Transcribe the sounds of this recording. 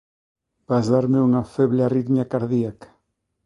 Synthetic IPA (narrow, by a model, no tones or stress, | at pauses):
b̥azðaɾmeuŋafɛβleariðmjakaɾðiakḁ